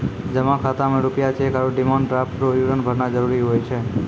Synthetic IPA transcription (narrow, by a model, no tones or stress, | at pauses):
d͡ʒəmãkʰat̪amẽɾʊpjat͡ʃekaɾuɖimɔɳɖɖɾapɾojud͡ʒənbʱəɾnad͡ʒəɾuɾiɦojt͡ʃʰe